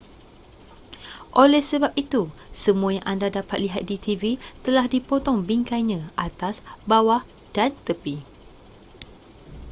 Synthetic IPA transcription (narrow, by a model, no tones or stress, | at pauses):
ʔolɛhsəbap̚it̪usəmũajaŋʔandadapat̪̚liɦat̪̚dit̪ivit̪əlahdipot̪ɔŋbiŋkaɲãʔat̪asbawah | d̥ant̪əpi